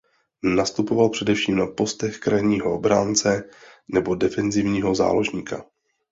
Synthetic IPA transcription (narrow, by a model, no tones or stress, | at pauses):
nast̪upovalpr̥ɛdɛfʃiːmnapo̞st̪ɛxkɾajɲiːɦoobɾaːnt͡sɛnɛbo̞dɛfɛnzɪvɲiːɦo̞za̰ːlo̞ʒɲiːka